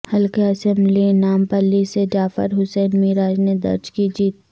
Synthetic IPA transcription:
hɐlkeɐsɛ̃mblinaːmpɐlːised͡ʒaːfə̰ɾɦʊsɛːnmɪɾaːd͡ʒned̪ɐ̰ɾd͡ʒkid͡ʒiːt̪̚

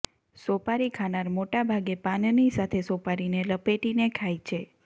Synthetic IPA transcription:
sopaɾikʰanaɾmoʈabʱaɡepannisat̪ʰesopaɾineləpeʈinekʰajt͡ʃʰe

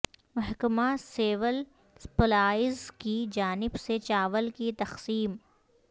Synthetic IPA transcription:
mɐɦkmaseːʋəl | pɐlaːɪzkid͡ʒaːnɪbset͡ʃaːʋəlkit̪ɐxsiːm

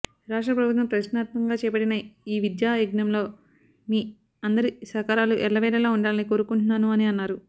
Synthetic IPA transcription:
ɾaːʂʈɾɐpɾɐbut̪ʋɐmpɾɐʃnaːt̪̚mɐŋɡaːt͡ʃɛːjɐpɐɽinɐiːʋid̪jaːjiɡnɐmlo̞ː | miː | ɐnd̪ɐɾisɐkaːɾaːluʔɛlːɐʋɛːlɐlaːuɳɖaːlɐniko̞ːɾukuɳʈunːaːnuɐniɐnːaːɾu

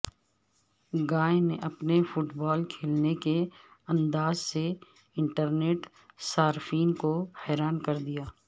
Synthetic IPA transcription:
ɡaːneʔɐpnefʊʈbɔːlkʰeːlnekeɐ̃nd̪aːzse | ɪ̃ɳʈəɾneːʈ | saːɾfiːnkohɛːɾaːnkɐɾd̪ijaː

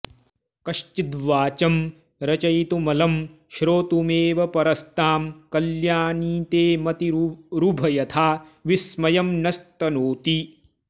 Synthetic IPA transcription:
kɐʃt͡ʃid̪ʋaːt͡ʃɐm | ɾɐt͡ʃɐjt̪umɐlɐm | ʃɾoːt̪umeːʋɐpɐɾɐst̪aːmkɐljaːniːt̪eːmɐt̪iɾubʱɐjɐt̪ʰaːʋismɐjɐmnɐst̪ɐnoːt̪i

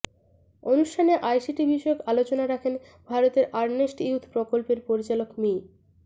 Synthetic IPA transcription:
onuʃʈʰaneʔajsiʈibiʃɔokalot͡ɕonaɾakʰen | bʱaɾot̪eɾaɾnesʈiut̪ʰpɾokolpeɾpoɾit͡ɕalokmi

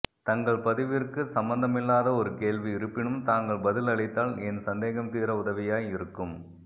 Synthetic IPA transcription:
t̪ɐŋɡɐɭpɐðɪʋɪrkɯsɐmbɐnd̪ɐmɪlːaːðɐɔɾɯkeːlʋiɪɾɯpːɪɳɯmt̪aːŋɡɐɭbɐðɪlɐɭɪt̪ːaːlɛnsɐnd̪eːɣɐmt̪iːɾɐʊðɐʋɪjaːjɪɾɯkːɯm

